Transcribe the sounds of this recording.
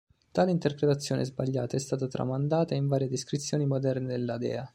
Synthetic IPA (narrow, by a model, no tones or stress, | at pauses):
t̪aːleint̪erpɾet̪at̪sːjoːnʔḛzbaʎːaːt̪aɛst̪aːt̪at̪ɾa̰mand̪aːt̪aiɱvaːɾjed̪eskɾit̪sːjoːnimod̪ɛrned̪elːad̪ɛ̰ːa